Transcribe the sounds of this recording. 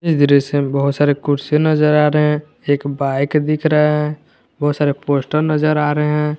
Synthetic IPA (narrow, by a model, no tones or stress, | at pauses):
ɪsd̪ɪɾesebəɦʊt̪saːɾekʊɾsenəd͡ʒəɾaːɾəɦɛ̃ | eːkbaɪkd̪ɪkʰɾəɦeɦɛ̃ | bɐɦʊt̪saːɾepoːsʈəɾnəzəɾaːɾəɦeɦɛ̃